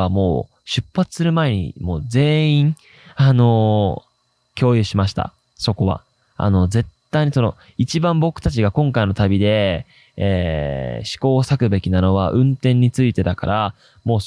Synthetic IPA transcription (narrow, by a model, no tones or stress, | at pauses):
amo̞̰ː | ɕɨpːat͡sɨ̥sɨɾɯ̟mae̞ɲ̟ḭmo̞ːd͡ze̞ːĩŋ | ano̞ | kʲo̞ːjɯ̟ɕimaɕi̥t̪a̰ | so̞ko̞βa̰ | a̰no̞d͡ze̞t̪ːaiɲ̟isono̞ | it͡ɕibãmbo̞kɯ̟̥t̪at͡ɕiɡakõ̞ŋkaino̞t̪abʲid̪e̞ | eːɕi̥ko̞ːsakɯ̟be̞kʲinano̞βaʔɯ̟̃nt̪ẽ̞ɲ̟ːit͡sɨit̪e̞d̪aka̰ɾʔa | mo̞ː